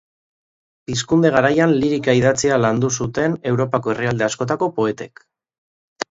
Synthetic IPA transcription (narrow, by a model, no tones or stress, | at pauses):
piskund̪e̞ɣ̞aɾajanliɾikaiðat͡sialand̪us̬ut̪e̞ne̞wɾo̞pako̞e̞riald̪e̞asko̞t̪̬ako̞po̞e̞t̪e̞k